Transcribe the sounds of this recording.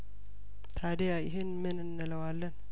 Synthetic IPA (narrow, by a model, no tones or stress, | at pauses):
t̪ʰad̪ejajɪɦɪnmɨnɨnːələwalːən